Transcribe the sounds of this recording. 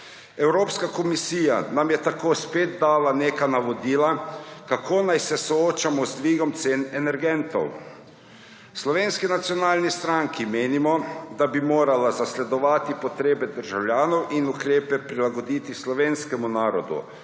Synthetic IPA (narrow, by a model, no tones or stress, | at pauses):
ɛwɾoːpskakɔmisiːja̰namjɛt̪akoːspeːd̪d̪aːlaneːkanaʋɔd̪iːlakakʰoːnajsɛsɔoːt͡ʃamɔzd̪ʋiːɡɔmt̪seːnɛnɛɾɡɛnt̪ɔ̰w | slɔʋeːnskinat̪sijɔnaːlnist̪ɾaŋkimeːnimɔd̪abimoːɾalazaslɛd̪ɔʋaːt̪ipɔt̪ɾeːbɛd̪əɾʒawlʲjaːnɔwʔinukɾeːpɛpɾilaɡɔd̪iːt̪islɔʋeːnskɛmunaːɾɔd̪ṵ